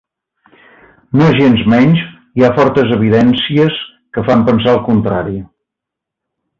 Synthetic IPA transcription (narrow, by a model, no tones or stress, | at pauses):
noʒenzmɛɲʒ | iafɔrt̪əzəβ̞iðɛnsiəs | kəfampənsaəlˠkunt̪ɾaɾi